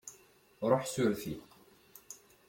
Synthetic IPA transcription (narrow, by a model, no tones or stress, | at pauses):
ɾˤoħsʊɾfi